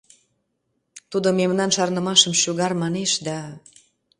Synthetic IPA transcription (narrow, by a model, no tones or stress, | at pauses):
t̪ud̪omemnɑnʃɑrnə̆mɑʃəmʃyɣɑrmɑneʃd̪ɑ